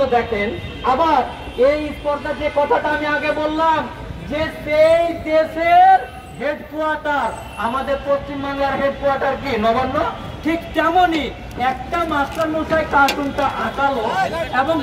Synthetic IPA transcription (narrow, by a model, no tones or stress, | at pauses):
od̪ɛkʰenabaɾ | ejpɔɾt̪aʈiekɔt̪ʰaʈaamiaɡebolːam | d͡ʑeʃejd̪eʃeɾ | ɦeɖkoaɾʈaɾ | amad̪eɾpɾost͡ɕimbʱaŋlaɾɦeɖ̚koaɾʈaɾk̬inɔbanːo | ʈʰikkɛmoni | ɛk̚ʈamastanosaekasunʈaʔaʈaloeboŋ